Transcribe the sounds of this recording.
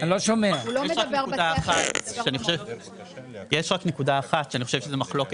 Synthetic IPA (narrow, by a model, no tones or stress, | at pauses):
loʃomeajeaknekud̪aːχatʃeaniχoʃev | jeʃʁakne̞kudaːχat̪ʃeaniχoʃevʃezemaχlo̞ke